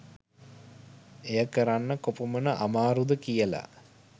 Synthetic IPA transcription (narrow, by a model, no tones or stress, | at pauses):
ejəkəɾanːəkopumənəʔamaːɾud̪əkijəla̰